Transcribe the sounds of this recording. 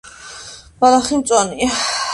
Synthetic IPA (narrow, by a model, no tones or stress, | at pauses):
balaχimt̪sʼɔni